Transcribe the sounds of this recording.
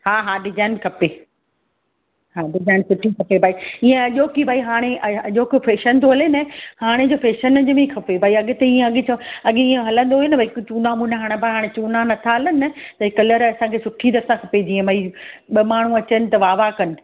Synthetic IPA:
haːɦaːɖɪzaːɪnkʰɐpe | haːɖɪzaːɪnsʊʈʰikʰɐpebʱaːiiːẽɐʄoːkibʱaːiɦaːɽ̃eʔɐɐʄoːkfeːʃənt̪oɦɐlenɐhaːɽ̃ed͡ʑoːfeːʃənd͡ʑmẽkʰɐpebʱaːiɐɠɪt̪ɐiːẽɐɠɪt͡ɕʰɐɐɠeiːẽɦɐlə̃nd̪oɦjenɐbʱaːikt͡ɕuːnaːmuneɦaːɽ̃ebʱaːiɦaːɽ̃ẽt͡ɕuːnanɐt̪ʰaɦɐlənɪɐt̪ɐɪkɐləɾɐsãkʰeːsʊʈʰid̪ɐɾsãkʰɐped͡ʑ̪iːẽbʱaːiɓɐmaːɳ̤ũɐt͡ɕənɪ̆t̪ɐʋaːʋakɐnɪ̆

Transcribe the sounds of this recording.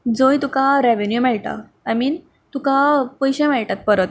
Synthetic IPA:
d͡zojt̪ukaɾeʋenjumɛɭʈa̰ | amiːn | t̪ukapəjɕɛ̃mɛɭʈat̪̚pəɾət̪̚

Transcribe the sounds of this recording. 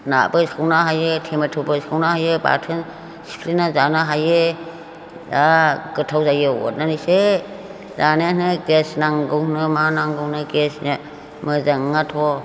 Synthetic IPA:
na̰bɯskʰɯwnaɦajetʰemetʰubɯskʰɯwnahajɯba̰tʰɯn | si̥pʰlinazanaɦaje | aɡɯtʰawzajɯwɔ̰nanise | zanenɯɡesnaŋɡɯwnɯmanaŋɡɯwnɯɡesna | mɯzaŋatʰɔ

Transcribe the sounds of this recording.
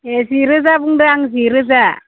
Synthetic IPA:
eziɾɯzabuŋdɯaŋziɾɯza

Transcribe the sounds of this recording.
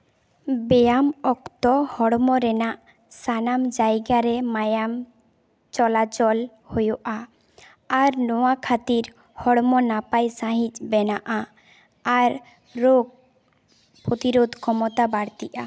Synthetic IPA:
bɛjamɔkt̪ɔhɔɽmɔɾɛnaʔ | sanamd͡ʒajɡaɾɛmajam | t͡ʃɔlat͡ʃɔl | hojɔʔaː | ɾnɔwakʰat̪iɾ | hɔɽmɔnapajsãɦit͡ʃbɛnaʔa | aɾː | oɡ̚ | pɾot̪iɾod̪ʱkʰɔmɔt̪abaɽt̪iʔa

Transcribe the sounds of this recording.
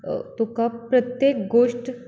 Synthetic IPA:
t̪okapɾət̪jeːkɡoːʂʈ

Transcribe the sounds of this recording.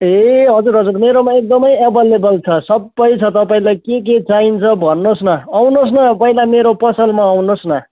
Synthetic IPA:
eɦʌd͡zurɦʌd͡zuɾmeɾomaek̚d̪ʌmʌjebʌlebʌlt͡sʰʌsʌbːʌjt͡sʰʌt̪ʌpaĩlajkek̬et͡saɦint͡sʰʌbʱʌnːosnʌawnos̬nʌpʌĩlajmeɾopʌsʌlmaawnosnʌ

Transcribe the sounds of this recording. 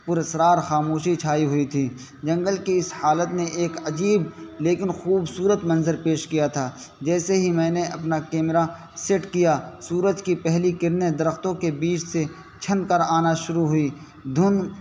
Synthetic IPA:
pʊɾesɾaːɾxaːmoːʃit͡ʃʰaːiɦʊit̪ʰiː | d͡ʒɐ̃ŋɡəlkiɪshaːlət̪neʔeːkɐd͡ʒiːbleːkɪnxuːbsuːɾət̪mɐ̃nzəɾpeːʃkijat̪ʰaː | d͡ʒɛːseɦimɛ̃ːneʔɐpnakeːmɾa | sɪʈkijasuːɾəd͡ʒkipɛɦlikɪɾned̪ɐɾəxt̪õkebiːt͡ʃʰse | t͡ʃʰɐnkəɾaːnaʃʊɾuɦʊi | d̪ʱʊn

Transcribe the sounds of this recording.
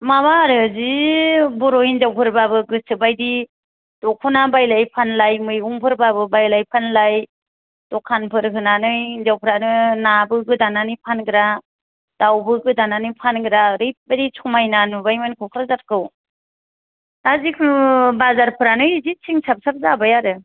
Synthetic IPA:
mabaɾɯzibɔɾɔjinzawpʰɯɾbabɯɡɯsɯbajdi | dɔkʰɔnabajlajpʰanlajmɯjɡuŋpʰɯɾbaβɯbajlajpʰanlaj | d̥ɔkʰːanpʰɯɾkʰɯnanɯjinzawpʰɯɾanɯnabɯɡɯdananɯjpʰanɡɯɾa | d̥awbɯɡɯdananɯjpʰanɡɯɾaɾɯjp̚badit͡ʃʰɔmajnanubajmɯnkʰɔkʰɾazat̚kɯw | nazikʰɯbazaɾpʰɯɾanɯjzit͡ʃʰiŋsʰap̚sap̚zabajaɾɯ

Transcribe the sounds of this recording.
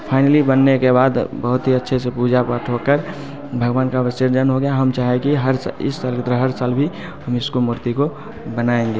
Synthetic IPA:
pʰaɪnlibənːekebaːd̪bəɦʊt̪ɦiətːʃʰesepuːd͡ʒapaʈʰɦokəɾ | bʱəɡʋaːnkaʋsɪɾd͡ʒənɦoɡejaɦəmt͡ʃaːɦekiɦəɾsɪ̰sːaːlkt̪ɾəɦəɾsaːlbʱi | həmɪskomʊɾt̪iko | bənaːẽŋ̆ɡe

